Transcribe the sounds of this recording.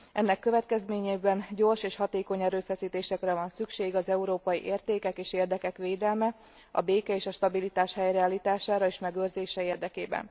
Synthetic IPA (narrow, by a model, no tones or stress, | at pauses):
ʔɛnːɛkːøvɛt̪kɛzmeːɲeːbɛnɟo̞rʃeːʃhɒt̪eːko̞ɲɛɾøːfɛsiːt̪eːʃɛkrɛvɒnsykʃeːɡɒzɛuɾoːpɒjḭʔeːrt̪eːkɛkeːʃeːrd̪ɛkɛkʋeːd̪ɛlmɛ | ɒ̰beːkɛeːʃɒʃt̪ɒbilit̪aːʃhɛjrɛaːlit̪aːʃaːɾɒeːʃmɛɡøːrzeːʃɛeːrd̪ɛkeːbɛ̰n